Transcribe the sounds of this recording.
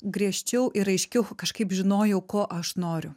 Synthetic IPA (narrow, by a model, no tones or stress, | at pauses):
ɡɾʲiɛʃʲt͡ʃʲɛʊʔɪɾɐɪʃʲkʲɛʊkɐʃkɐɪpʒʲɪnoːjɛʊkoːʔɐʃnoːɾʲʊ